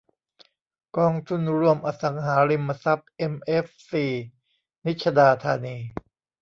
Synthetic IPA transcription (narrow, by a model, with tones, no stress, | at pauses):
kɔː˧ŋt̪ʰu˧˩nɾu˧˥˩əmʔa˧sa˩˦ŋɦaː˩˦ɾi˧mːa˧sa˦˥p̚ʔe˧mʔe˦˥fsiː˨˩ | ni˦˥t̪̚t͡ɕʰa˧daː˧t̪ʰaː˧niː˧